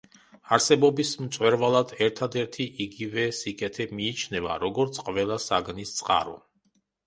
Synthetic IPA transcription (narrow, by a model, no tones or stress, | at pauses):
aɾsɛbɔbismt̪sʼwɛɾvalˠad̪ɛɾt̪ʰad̪ɛɾt̪ʰiʔiɡivɛsikʼɛt̪ʰɛmiːt͡ʃʰnɛva̰ɾɔɡɔɾt̪sʰqʼvɛlˠasaɡnist̪sʼqʼa̰ɾɔ̰